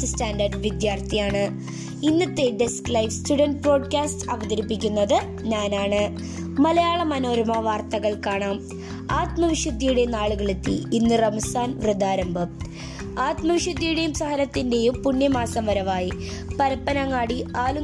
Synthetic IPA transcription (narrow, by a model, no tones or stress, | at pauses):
staːnɖɐrɖʋid̪jaːrt̪ʰijaːɳɨ | inːɐt̪ːe̞ɖesklɐjʋstuɽɐnɖ̚pro̞ːɖkaːstɐʋɐðɐɾipːikʲːunːɐðɨ | ɲaːnaːɳɨ | mɐlɐjaːɭɐmɐno̞ːɾmɐʋaːrt̪ɐɣɐɭkaːɳaːm | aːt̪mɐʋiʂɐd̪ʱːijuɽe̞naːɭuɣɐɭet̪ːḭinːɨrɐmɐsaːnʋrɨd̪ʱːaːɾɐmbʱɨ | aːt̪mɐʋiʂɐd̪ʱːijuɽe̞jumsɐɦɐɾɐt̪ːinde̞jumpunːjɐmaːsɐmʋɐɾɐʋaːjipɐɾɐpːɐnɐŋːaːɽiaːlu